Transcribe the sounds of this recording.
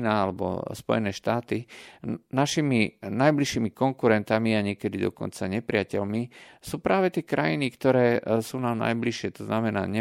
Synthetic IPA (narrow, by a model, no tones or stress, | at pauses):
naalɛbɔ̰spɔ̰jɛnɛːʃt̪aːt̪i | naʃiminajbliʃiːmikɔŋkuɾɛnt̪amiaɲɪɛkɛd̪id̪ɔ̰kɔ̰nt͡saɲɛpɾɪacɛlmisuːpɾaːʋɛt̪ɪɛkɾajinikt̪ɔɾɛːsuːnaːmna̰jbliʃɪɛt̪ɔznamɛna̰ːɲɛ